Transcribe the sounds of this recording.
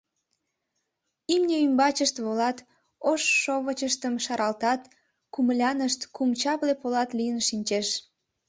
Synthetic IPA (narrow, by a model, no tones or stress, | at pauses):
imnʲeymbɑt͡ɕəʃt̪βolɑt̪ | oʃːoβət͡ɕəʃt̪əmʃɑɾʔɑlt̪ɑt̪ | kumlʲɑnəʃt̪kumt͡ɕɑβlepolɑt̪lijənʃinʲt͡ɕeʃ